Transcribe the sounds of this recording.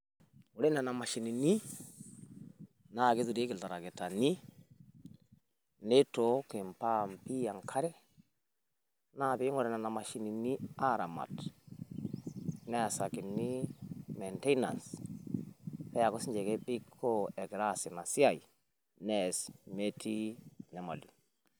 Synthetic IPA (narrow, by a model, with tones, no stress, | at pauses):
u˨ɾe˦na˨na˨ma˨ʃi˨ni˨ni˦ | na˦˨ɡi˦zi˨ɾi˦ɡi˨lta˨ɾa˨ɡe˨ta˨ni˦ | ne˦to˦ki˨mpa˦mpi˦ja˨ŋkʰa˦ɾe˦ | na˦˨bi˦ŋo˨ɾe˨na˨na˨ma˨ʃi˨ni˨ni˦a˦ɾa˨ma̰˨t | ne˦a˨sa˨ki˨nːi˦me˨nte˦jna̰˨ns | pe˦ja˨ko˦si˦ɲd͡ʒe˨ke˦bi˦kʰːo˦e˨ɡɾa˦˨si˨na˨si˦a˨i˨ | ne˦˨sme˦tʰi˦ne˨ma˨li˨